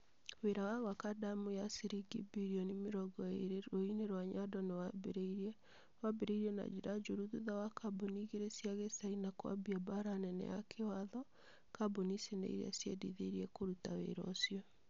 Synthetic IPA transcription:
weɾawaɣwakadamujasiɾiɡibiɾiɔnimeɾɔɡɔeɾoineɾwaɲadɔnewabeɾeiɾɛ | wabeɾeiɾiɛna̰d͡ʒiɾad͡ʒoɾuðuðawakʰaboniɣeɾesjaɣesainakwa̰biabaɾanɛnɛ̰ja̰kʰewaðɔ | kabonisenḛiɾḛa̰sjḛdiðeɾiɛkoɾutawḛɾɔ̰sjɔ

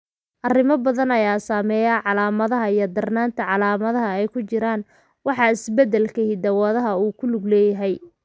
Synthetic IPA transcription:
ʔɐrɪmɐbɐðɐnɐjaːsaːmɛjaːʕɑlaːmɐðɐɦɐijɞd̪ɐrnaːnt̪ʰɐʕɑlaːmɐðɐɦɐɛjkʰʊt͡ʃɪɾaːn | wɑħɑɪsbɛd̪ɛlkʰɐɦid̪ɐwaːðɐɦɐuːkʰʊlʊɡlɛːjɐɦɛj

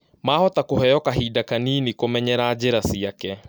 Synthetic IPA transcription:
maːhɔtakoɦɛjɔkaɦidakaniːnikomɛɲɛɾaːd͡ʑeɾasiakɛ

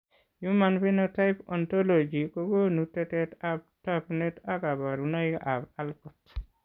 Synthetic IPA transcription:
jumanpinɔtajpɔntolod͡ʒikoɡonutɛtɛtab̚taknetakabaɾunaikabalkɔt

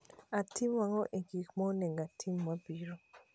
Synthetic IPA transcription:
atʰimwaŋɔʔiɡikmɔneŋɡatʰimːabiɾo

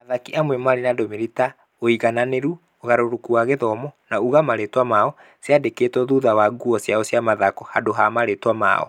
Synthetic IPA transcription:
aðakiʔamwɛmaɾenadomeɾita | oiɣananeɾu | oɣaɾoɾokuaɣeðɔmɔnauɣamaɾetwamaɔ | sjadekeːtɔðuðawaɡuɔsjaɔsjamaðakɔhadoɦamaɾetwama̰ɔ̰

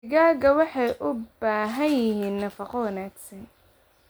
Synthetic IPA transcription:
ɪɣaːɣɐwɑħɑjʔʊbaːɦɐjjɪɦiːnːɐfɐqɔwɐnaːɡsɐn

